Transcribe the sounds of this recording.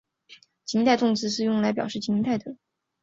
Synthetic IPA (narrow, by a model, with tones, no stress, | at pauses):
t͡ɕi˧˥ŋt̪a˥˧ɪt̪ʊ˥˩ŋt͡sɹ̩˥ʂɻ̩˥˧jʊ˥˩ŋla˧˥ɪpjɑ˨˩ʊʂɻ̩˥˩t͡ɕi˧˥ŋt̪a˥˩ɪd̪ə˩